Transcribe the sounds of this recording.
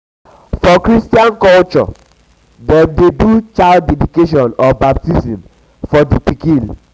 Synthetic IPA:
fɔkɾistiãnkɔlt͡ʃɔ̰ | dɛ̃mdedut͡ʃaɪldɛdikeʃ̬ɔ̃nɔbap̚tisĩm | fɔdipikĩn

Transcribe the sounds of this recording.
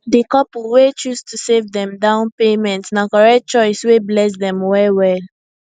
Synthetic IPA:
dikɔpulwet͡ʃustʰusevðɛ̃mdãʊ̃npemɛ̃ntsnãkɔɹɛt̚t͡ʃɔɪsweblɛs̬dɛ̃mwɛwɛl

